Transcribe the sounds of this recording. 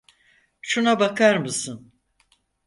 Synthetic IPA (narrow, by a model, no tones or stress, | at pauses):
ʃunabakʰaɾmɯsɯn